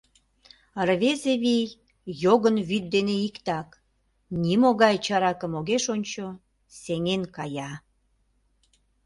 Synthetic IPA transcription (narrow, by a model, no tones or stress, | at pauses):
ərβezeβij | joɣənβyt̪̚d̪eneikt̪ɑk | nimoɣɑjt͡ɕɑɾɑkəmoɣeʃonʲt͡ɕo | seŋenkɑjɑ